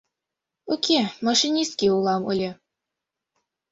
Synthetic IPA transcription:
okʲemɑʃinʲist̪̚kʲiulˠɑmɤlʲɤ̆

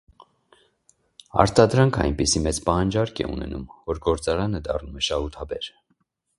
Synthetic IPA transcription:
ɑ̰ɾt̪ɑd̪ɾɑŋkʰɑ̰jnpisimɛt͡spɑhɑnd͡ʒɑɾkʰɛ̰ṵnɛ̰numvɔɾɡɔɾt͡sɑɾɑnəd̪ɑ̰rnumɛʃɑhut̪ʰɑbɛɾ

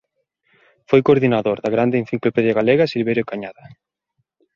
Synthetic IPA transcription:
fojkoɾðinaðoɾðaɣɾand̪een̟θiŋklopɛðjaɣaleɣasilβeɾjokaɲaðɐ

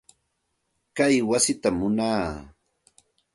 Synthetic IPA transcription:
kajwasɪt̪amːʊnaː

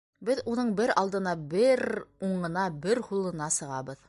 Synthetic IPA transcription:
bɘðunɤɴbɘɾɑlˠd̪ɤ̆nɑbɘɾuɴɤ̆nɑbɘɾhulˠɤ̆nɑsɤ̆ʁɑbɤð

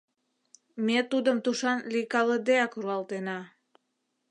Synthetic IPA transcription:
met̪ud̪əmt̪uʃɑnlikɑləd̪eɑkruɑlt̪enɑ

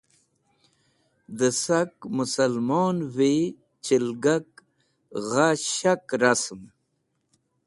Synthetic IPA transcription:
d̪əsakmusalmɔːnwe | t͡ʃilɡak | ɣaɕakɾasm

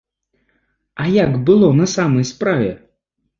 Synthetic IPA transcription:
ɐjaɡbɨlˠɔnɐsamɐjspɾavʲɛ

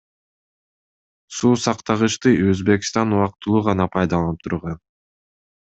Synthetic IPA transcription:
suːsɑqt̪ɑʁɯʃt̪ɯʔøzbe̞kst̪ɑnuwɑq̚t̪ːɯlˠuːʁɑnɑpʰɑjd̪ɑlˠɑnɯp̚t̪ʰuɾʁɑn

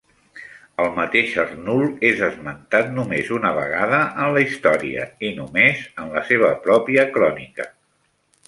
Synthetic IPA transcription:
əlˠmət̪eʃərnulˠezəzmənt̪at̪numezunəβ̞ə̰ɣ̞aðəʔːnləist̪ɔɾiə̰inumezənləseβ̞əpɾɔpiəkɾɔnikə

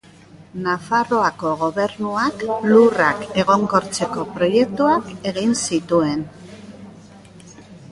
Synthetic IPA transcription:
nafaro̞ako̞ɣo̞βe̞ɾnuaklurake̞ɣ̞o̞ŋko̞ɾt͡se̞ko̞pɾo̞je̞k̚t̪uake̞ɣinsit̪ue̞n

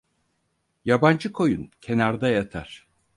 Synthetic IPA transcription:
jaband͡ʒɯkʰo̞jṵncʰe̞naɾd̪ajat̪ʰaɾ̥

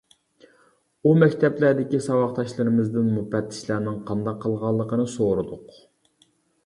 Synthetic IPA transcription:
umɛkʲt̪ʰɛplæɾd̪ɪkʲisɑwɑχt̪ʰɑʃlˠɨɾɨmɨzd̪ɪnmupɛt̪ʰːɪ̥ʃlæɾnɪŋqʰɑnd̪ɑqʰːəlˠʁɑlˠːəqənɨsoɾɨd̪ʊq

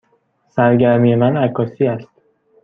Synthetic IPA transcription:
sæɾɟæɾmije̞mænækʰːɒːsiːæst̪

